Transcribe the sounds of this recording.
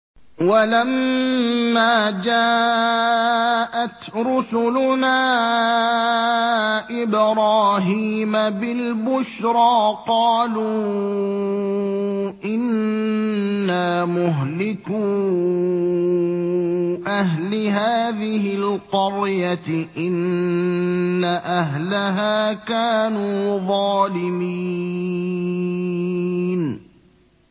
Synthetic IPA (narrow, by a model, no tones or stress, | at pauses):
walamː | aːd͡ʒaː | ʔat̪ɾʊsʊlʊnaː | ʔɪbɾˤɑːɦiːmabɪlbʊʃɾˤɑːqɑːluː | ʔɪn | aːmʊɦlɪkuː | ʔahɦlɪɦaːðɪhɪlqʊɾjat̪ʔɪn | aʔaɦlaɦaːkaːnuːðˤɑːlɪmi | n